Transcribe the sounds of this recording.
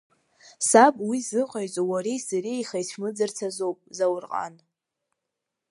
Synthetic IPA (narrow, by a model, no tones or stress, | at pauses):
sabʼwizɨqʼaɥt͡sʼowaɾejsarejχajt͡ɕʰʷmɨd͡zart͡sʰazowpʼzawrqʼa̰n